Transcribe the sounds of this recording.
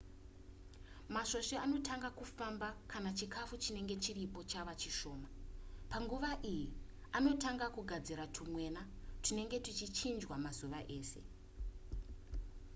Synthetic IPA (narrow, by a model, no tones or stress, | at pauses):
maʃo̞ʃeano̞tʰaŋɡakufambakanat͡ʃikafut͡ʃine̞ŋɡe̞t͡ʃiripo̞t͡ʃaʋat͡ʃiʃo̞ːmapaŋɡuʋaʔiji | ano̞taŋɡakuɡʱad͡ziɾatʰumwe̞ːna | tine̞ŋɡe̞tit͡ʃit͡ʃind͡ʒwamazuʋaʔe̞ːse̞̰